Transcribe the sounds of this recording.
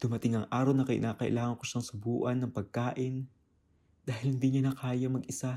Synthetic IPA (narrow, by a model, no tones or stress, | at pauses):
d̪̥ʊmɐt̪ɪŋɐŋʔaːɾɐwnɐkɐʔɪ̰naːkɐʔɪ̰laːŋɐŋkoʃaŋsʊbuːʔɐnːɐŋpɐɡ̚kaːʔɪn | d̪̥aːhɪlhɪnd̪iɲanɐkaːjɐmɐɡʔɪsa